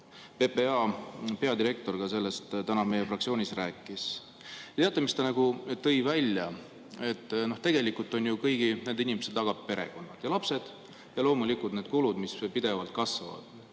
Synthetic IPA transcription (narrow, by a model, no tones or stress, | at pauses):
pe̞peɑːpe̞ɑd̪iɾe̞k̚t̪o̞rɡ̥ɑse̞lːe̞st̪t̪ænɑme̞jefrɑk̚tsio̞ːnʲisræːkːˑis | t̪e̞ɑt̪ːˑɑmist̪ɑnɑɡ̥ut̪ɤ̞jvælʲjɑ | e̞t̪ːno̞ht̪e̞ɡ̥elikːˑult̪ːˑo̞njukɤjɡine̞nd̪inimesed̪ɑɡ̥ɑp̚pe̞ɾe̞̰ɡ̥o̞nːɑt̪jɑlɑpse̞d̪̥ | jɑlo̞ːmulikult̪ne̞ːd̪̚kulud̪̥mispid̪̥e̞vɑlt̪̚kɑsvɑ̰vɑ̰d̪̥